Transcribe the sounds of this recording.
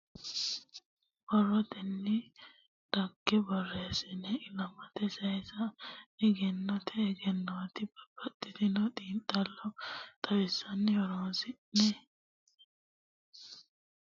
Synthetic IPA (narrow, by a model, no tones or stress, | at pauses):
bɔrːɔt̪ɛnːɪ | d̪̥ɐɡːɛbɔrːeːsɪnɛɪlɐmɐt̪ɛsɐjɛsɐɛɡɛnːɔt̪ʰɛːɡɛnːɔt̪ɪbɐb̥ɐt̪ʼːɪd̪ɪnɔd̪iːnt̪ʼːɐlːɔt̪ʼɐwɪsːɐnːɪwɔɾoːsɪʔnɛ